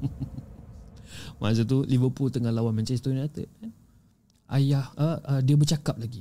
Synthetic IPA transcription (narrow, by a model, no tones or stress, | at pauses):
ma̰s̬ət̪ulivəpult̪əŋahlawanmãɲt͡ʃaist̪ojnat̪ə̰ʔ̚kan | ʔa̰jahəʔədiabət͡ʃakap̚laɡi